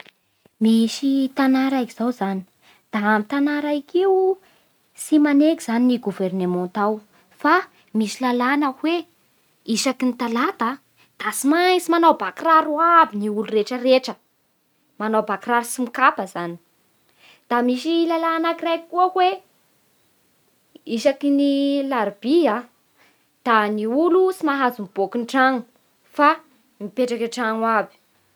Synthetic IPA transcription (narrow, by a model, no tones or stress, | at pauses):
misit̪anaɾakiz̥awzani̥ | d̪̥aamit̪anaɾaikew | simanekiz̥aniniɡuvernemɔ̃t̪aw | fa | misilalanakwe | isakinit̪alad̪a | d̪̥asimajsimanawbakiraɾuabiniulureʈ͡ʂəreʈ͡ʂə | manowbakraɾusimikapəzani̥ | d̪̥amiʃilalaanakirajkuəkwe | iʃakinilaɾbia | d̪̥aniulusimaɦazumb̥okuɳʈ͡ʂaŋu | fa | mipeʈ͡ʂakaʈ͡ʂaŋwabi̥